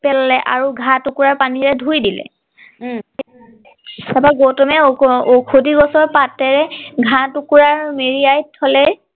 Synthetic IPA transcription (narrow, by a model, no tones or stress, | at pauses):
pɛllɛʔa̰ɹuɡʱãtukuɹaɹpaniɹɛdʱujdilɛ̰ | abaɡowtɔmɛokʰodiɡɔsɔɹpatɛɹɛɡʱãtukuɹaɹmeɹiajtʰːɔlɛ